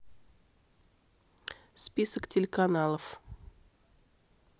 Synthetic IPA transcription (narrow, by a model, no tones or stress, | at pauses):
spʲisəktʲɪlʲɪkanɑlˠəf